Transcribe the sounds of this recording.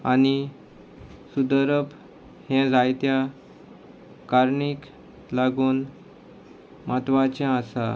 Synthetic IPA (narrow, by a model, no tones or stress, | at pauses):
a̰ni | sud̪əɾəp | hɛ̃d͡zajt̪ja | kaɾɳik | laɡuːn | mat̪ʋat͡ɕɛ̃asa̰